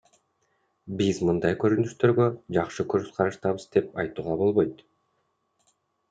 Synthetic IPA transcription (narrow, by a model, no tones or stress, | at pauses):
bizmɯnd̪ɑjkø̞ɾynyʃt̪ø̞ɾɡø̞d͡ʒɑqʃɯkʰø̞ɾzqʰɑɾɑʃt̪ɑβɯzd̪e̞pɑjt̪uːʁɑbo̞lˠβo̞jt̪